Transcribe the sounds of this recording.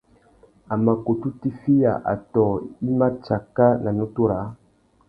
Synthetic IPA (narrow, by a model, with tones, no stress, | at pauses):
a˨ma˨ko˨tu˦ti˦fi˦ja̰˨ʔa̰˨tɔ˨i˦ma˦t͡ʃa˨ka˦na˨nõ˦tu˦ɾa˨˦